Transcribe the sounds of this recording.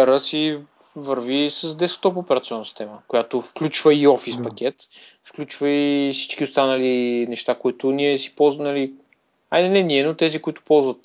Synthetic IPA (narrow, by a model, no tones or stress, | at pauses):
ɛɾəsi | vəɾvisəsd̪ɛskt̪ɔpopɛɾɐt̪siɔnːəsi̥st̪ɛməkʊjat̪ofklʲut͡ʃvəiɔfispɐkʲɛt̪ | fklʲut͡ʃvəifsi̥t͡ʃk̟iʊst̪anəlinɛʃt̪akoit̪ʊniɛsi̥pɔlˠznɐli | ad̪ɛnɛniɛnot̪ɛzikʊit̪ʊ̥pɔlˠzvət̪̚